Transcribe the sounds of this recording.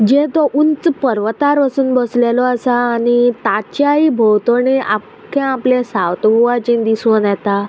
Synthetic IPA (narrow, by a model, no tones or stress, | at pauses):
d͡ʑet̪ɔʔunt͡spəɾʋt̪aɾʋəsuːnbəslelɔasaːnit̪at͡ɕaibʱowt̪oneʔap | kʰãaplẽsawt̪bʱuʋat͡ɕĩnd̪isənjɛt̪a